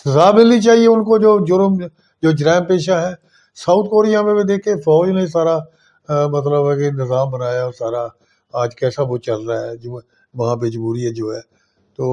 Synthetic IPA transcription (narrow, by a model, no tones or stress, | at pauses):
sɪzaːmɪlːit͡ʃaːɦieʊnkod͡ʒoːd͡ʒʊɾəm | d͡ʒoːd͡ʒɾɛːɪmpeːʃaɦɛ̃ː | sauːt̪ʰkoːɾijamẽbid̪eːkʰːefɔːd͡ʒnesaːɾa | mɐt̪ləbɛkenɪzaːmbənaːjaɔːɾsaːɾa | aːd͡ʒkɛːsaʋot͡ʃɐlɾaɦɛːd͡ʒoː | ʋɐɦãbeːd͡ʒbuːɾiɦɛd͡ʒoːɦɛː | t̪oː